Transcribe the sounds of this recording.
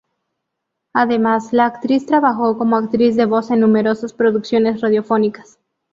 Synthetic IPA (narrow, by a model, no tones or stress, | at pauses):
aðe̞maslaːkt̪ɾist̪ɾaβaxo̞ko̞mo̞akt̪ɾizðe̞βo̞senːume̞ɾo̞saspɾo̞ðuksjo̞ne̞sraðjo̞fonikḁs